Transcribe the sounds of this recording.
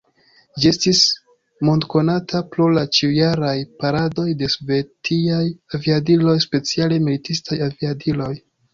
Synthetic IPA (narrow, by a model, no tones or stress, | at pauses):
d͡ʒie̞stis | mo̞ndko̞natʰaplulat͡ʃiujaɾajpaɾado̞jde̞sove̞tiajaviadilo̞jspe̞t͡siale̞militistajaviadilo̞j